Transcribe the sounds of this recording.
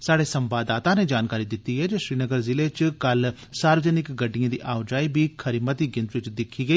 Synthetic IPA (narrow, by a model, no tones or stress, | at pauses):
saːɽeːsəmbaːd̪aːt̪ãːneːd͡ʒaːnkaːɾiːd̪ɪt̪ːiːɦɛːd͡ʒeːʃɾiːnəɡəɾzɪleːt͡ʃkəl | saːɾʋəzənɪkɡəɖɪjãːd̪ḭːʔaːʊd͡ʒaːiːbʱiːkʰəɾimət̪iːɡɪ̃nt̪ʋɪt͡ʃd̪ɪkʰːiːɡəiː